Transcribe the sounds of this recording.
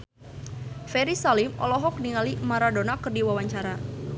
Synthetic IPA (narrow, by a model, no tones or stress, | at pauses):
fɛɾisalimɔ̰lɔɦɔk̚niŋalimaɾadonakərdiwawaɲt͡ʃaɾa